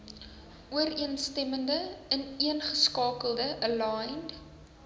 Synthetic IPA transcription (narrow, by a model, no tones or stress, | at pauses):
ʔuəɾiənstɛməndəəniənχəskɑːkəlˠdəʔəlɑjnd